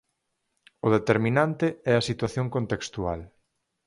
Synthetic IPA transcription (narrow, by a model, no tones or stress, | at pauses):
ʊðet̪eɾmĩnant̪eɛɐsit̪waθjoŋkont̪ekst̪ua̰l